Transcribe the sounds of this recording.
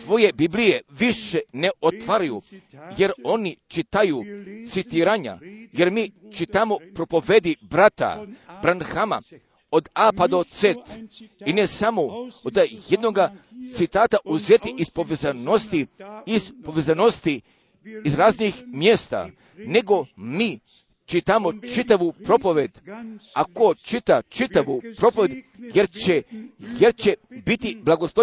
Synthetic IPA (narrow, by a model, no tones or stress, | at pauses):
sʋo̞je̞biblijeʋiʃeneʔot̪ʋaɾajuje̞ɾo̞nit͡ʃit̪ajut̪sit̪iːɾaɲa̰je̞ɾmiːt͡ʃit̪amopɾo̞po̞ʋed̪ibɾat̪a̰b̥ɾanxama̰ | od̪apad̪ot̪set̪inesamood̪jed̪noɡat̪sit̪aːt̪aʔuzet̪iʔispoʋezanost̪iizpo̞ʋezanost̪iː | zɾaːznixmjest̪a̰ | ne̞ɡo̞miː | t͡ʃit̪amo̞t͡ʃit̪aʋupɾo̞po̞ʋed̪akot͡ʃit̪at͡ʃit̪aʋupɾo̞poʋʲed̪jeɾt͡ɕejeɾt͡ɕebit̪iblˠaɡoslˠo